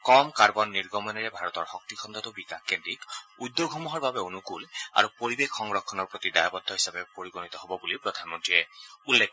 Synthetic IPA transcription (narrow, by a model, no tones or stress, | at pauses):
kɔmkaɹbɔnːiɹɡɔmɔnɛɹɛbʱaɹɔt̪ɔɹxɔk̚t̪ikʰɔnt̪ʰat̪ʊbikakendɹikud̪ːoɡʱɔmɔɦɔɹbabɛonukula̰ɹupoɹibekʰːɔŋɹɔkʰːɔnɔɹpɹot̪idajɔbɔd̪ʱːɔɦisapɛpoɹiɡonit̪ɔɦɔbɔbulipɹɔd̪ʱanmɔntɹiɹɛulːekʰ